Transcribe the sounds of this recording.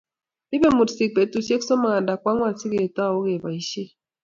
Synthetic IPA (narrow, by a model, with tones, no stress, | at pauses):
di˦be˦˨mu˨tsi˨k̚pe˨tu˨se˦ksɔ˦ma˨a˨nda˨kwa˦ŋwa˦˨si˦ɡe˨e˨ta˦˨o˦ɣe˨ba˨i˨˦ʃe˦